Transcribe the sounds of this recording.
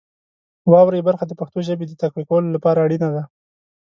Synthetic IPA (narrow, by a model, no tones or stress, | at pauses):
wɑwɾejbaɾxad̪əpaxt̪oʒəbed̪ət̪axwikawəlolapɑɾaːɽinad̪a